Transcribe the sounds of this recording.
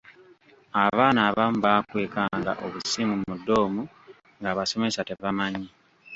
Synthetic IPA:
aβaːnaːβamuβaːkwe̞ːkaŋɡa̰ʔo̞βusimumudːo̞ːmu | ŋɡaːβaso̞me̞sate̞βamaɲi

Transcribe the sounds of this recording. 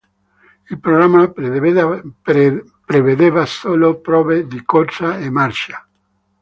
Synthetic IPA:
ilpɾoɡɾamːa | pɾeved̪evasoːlopɾɔːved̪ikort͡ʃaemːart͡ʃa

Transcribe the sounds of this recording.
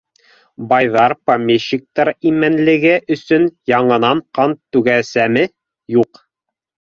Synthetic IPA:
bɑjðɑɾpɐmʲeɕːik̚t̪ɑɾimænlɘ̆ɡɘʔɵ̆sɵnjɑɴɤ̆nɑɴqɑnt̪ːʉɡæsæmɘ | juq

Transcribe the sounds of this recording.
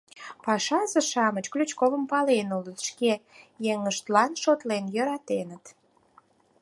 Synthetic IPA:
pɑʃɑzəʃɑmət͡ɕklyt͡ɕkovəmpɑlenulət̪ʃkejeŋəʃt̪lɑnʃot̪lenjøɾɑt̪enət̪

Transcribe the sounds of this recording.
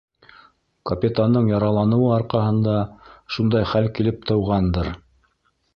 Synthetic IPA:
kɐpʲit̪and̪ɤɴjɑɾɑlˠɑnɤ̆wɤɑɾqɑɦɤ̆nd̪ɑʃund̪ɑjχælkilɘp̚t̪ɤ̆wʁɑnd̪ɤɾ

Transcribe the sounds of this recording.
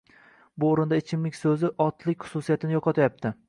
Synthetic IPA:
bʊoɾɪnd̪aɪt͡ʃʰɪmlɪkʲsɵzɪʔɒt̪ʰlɪkʲχʊ̥sʊsijat̪ʰɪnɪjɒqʰɒt̪ʰajap̚t̪ʰɪ

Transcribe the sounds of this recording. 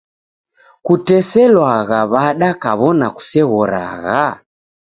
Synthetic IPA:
kutɛsɛlwaɣaβaɗakaβɔnaku̥sɛɣɔɾa̰ɣa

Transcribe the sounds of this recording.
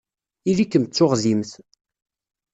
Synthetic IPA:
ilikːəmt͡sːʊʁzimθ

